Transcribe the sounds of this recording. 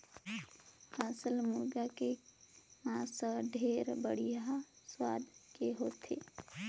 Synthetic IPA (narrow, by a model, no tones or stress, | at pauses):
asəlmʊɾɡakemãːsəɖʱeːɾbəɽijaswaːd̪keɦoːt̪ʰḛː